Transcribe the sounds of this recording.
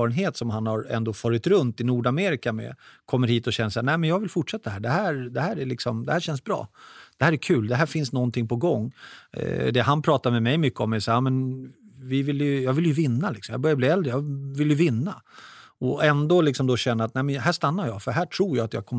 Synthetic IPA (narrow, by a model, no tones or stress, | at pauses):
ɑɾənɦeːt̪sɔmhanhaɾɛ̰nd̪oːfɑːɾɪt̪ɾɵnt̪ɪnuːɖameːɾɪkamɛ̰kʰɔmːəɾhiːt̪ɔɕɛnːəʂæːnæɪmɛnjɑːɡvɪlfʊʈʂɛt̪ːadɦæːɖɛɦæːɾd̪ɛhæːɾæɭɪksɔmd̪ɛhæːɾɕɛnsbɾɑ̰ːd̪̥ɛhæːɾækʰʉ̟ːld̪ɛɦæːfɪnsnɔnt̪ʰɪŋːpʰɔɡɔŋː | d̪ɛɦanpʰɾɑːt̪aɾmɛmɛjmʏkːəɔmɛsaːɾjɑmɛnvɪvɪljɵjɑːɡvɪljɵvɪnːalɪksɔmjɑ̰ːbœɾjabliːɛld̪ɾəjɑvɪljɵvɪnːaɔɛnd̪olɪksɔmd̪oɕɛnːəɾat̪næɪmɛnɦæːʂt̪anːaɾjɑːfœɦæːʈʰɾuːɾjaat̪jɑ̰ːɡkʰɔmː